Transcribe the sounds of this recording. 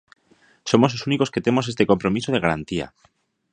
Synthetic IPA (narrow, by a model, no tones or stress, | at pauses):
so̞mo̞slo̞suniko̞ske̞t̪e̞mo̞se̞st̪e̞ko̞mpɾo̞miso̞ð̞e̞ɣaɾant̪ia̰